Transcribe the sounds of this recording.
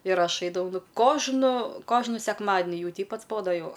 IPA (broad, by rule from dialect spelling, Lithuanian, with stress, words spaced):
ɪr ˈɐʃ ˈɐɪdɐʋɐʊ ˈnʊ ˈkoːʒnʊ ˈkoːʒnʊ sʲɛkˈmɑːdʲnʲɪ ˈjɛʊ ˈtʲɛɪp ɐdzˈboːdoː ˈjɛʊ